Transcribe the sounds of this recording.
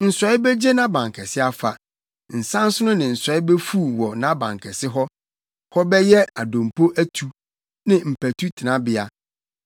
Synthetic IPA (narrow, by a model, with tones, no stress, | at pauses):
n̩˨sɔ˨˦ɪ˦be˦d͡ʑe˦nã˦bã˨ŋ˨kʰɛ˨sɪ˦a˨fa˨ | n̩˨sã˦n˦sʊ˦nʊ̃˦nɪ̃˨n̩˨sɔ˨˦ɪ˦be˦fu˦˨wɔ˨nã˦bã̰˨ŋkʰɛ˨sɪ˦ɦɔ˦ | hɔ˦bɛ˦jɛ˦a˨dõ˨mpʰo˦ʔæ˦tʰu˨ | nɪ̃˨m̩˨pæ˨tʰu˦tʰɪ˨nã˦bɪ˨a˨